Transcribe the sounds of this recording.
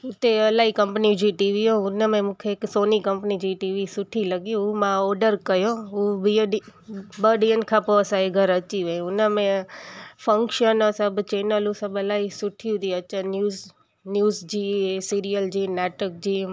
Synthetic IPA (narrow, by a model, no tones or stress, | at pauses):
ut̪eəlaikəmpnid͡ʒiʈiʋiɦoũnəmẽmukʰeeksonikəmpnid͡ʒiʈiʋisuʈʰiləɡijũumãɔɾɖəɾkəjoũbiɖibəɖiənkʰapoəsaiɡʱəɾət͡ʃiʋẽunəmẽ | fʰəŋkʃənəsəbt͡ʃenəlũsəbəlaisuʈʰijũt̪iətːʃanu | njuzd͡ʒisiɾijəld͡ʒinaʈək̚d͡ʒi